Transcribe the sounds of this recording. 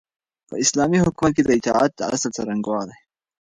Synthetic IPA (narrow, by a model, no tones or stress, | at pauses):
pə̰ɪslaːmihʊkmat̪̚ked̪əɪt̪ɑ̰ʕa̰t̪̚d̪əa̰slsɐɾaŋɡwɑːd̪a